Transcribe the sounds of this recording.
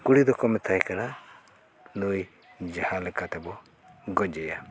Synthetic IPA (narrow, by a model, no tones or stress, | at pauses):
kuɽid̪ɔkɔmɛt̪ʰajkana | nuj | d͡ʒahalɛkat̪ɛbɔ | ɡɔd͡ʒɛja̰